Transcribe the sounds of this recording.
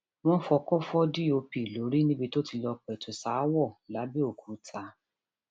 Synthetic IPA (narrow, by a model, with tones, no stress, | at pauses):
w̃ɔ̃˦fɔ˧kɔ˦fɔ˦di˦o˧pi˨lo˨˦ɾi˦nĩ˦bi˧to˦ti˧lɔ˧k͡pɛ˨tu˨sa˨˦wɔ˦˨la˨˦bi˦o˦˨kʰu˨˦tʰa˧